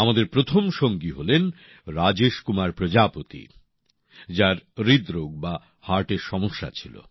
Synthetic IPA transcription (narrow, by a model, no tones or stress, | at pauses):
amad̪eɾpɾot̪ʰomʃoŋɡiɦolen | ɾad͡ʑeʃkumaɾpɾod͡ʑapot̪ḭ | d͡ʑaɾɾid̪ɾoɡ̚ba | haɾʈeɾʃɔmoʃːa̰t͡ɕʰilo̰